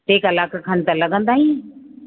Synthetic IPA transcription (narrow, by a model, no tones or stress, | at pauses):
eːkɐlaːkakʰənɪt̪ɐlɐɡə̃nd̪aːɦĩ